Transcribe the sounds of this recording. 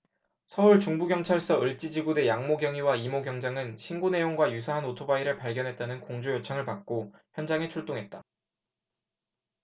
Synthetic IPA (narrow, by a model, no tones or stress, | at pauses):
sʰʌuɭt͡ɕuŋbuɡjʌŋt͡ɕʰaɭs͈ʌɯɭt͡ɕ͈id͡ʑiɡude̞jaŋmoɡjʌŋiwaimoɡjʌŋd͡ʑaŋɯnɕʰinɡone̞joŋɡwajusʰaɦanotʰobaiɾɯɭpaɭɡjʌnɦe̞t̚t͈anɯnkoŋd͡ʑojʌt͡ɕʰʌŋɯɭpak̚k͈oçjʌnd͡ʑaŋe̞t͡ɕʰuɭt͈oŋɦe̞t̚t͈a